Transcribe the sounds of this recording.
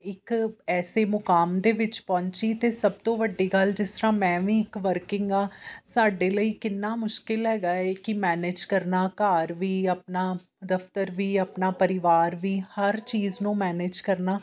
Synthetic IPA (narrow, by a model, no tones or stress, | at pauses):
ɪkɛːseːmʊkaːmd̪eːʋɪt͡ʃpɔ̃ːɲt͡ʃiːt̪eːsəb̚t̪õːʋəɖːiːɡəld͡ʒɪst̪əɾãːmɛ̃ːʋĩːɪkʋəɾkɪŋɡaːsaːɖeːləiːkɪnːaːmʊʃkɪlɦɛːɡaːeːkɪmɛːneːd͡ʒkəɾnaːkaːɾʋiːəpnaː | d̪əft̪əɾʋiːəpnaːpəɾɪʋaːɾʋiːhəɾt͡ʃiːznũːmɛːneːd͡ʒkəɾnaː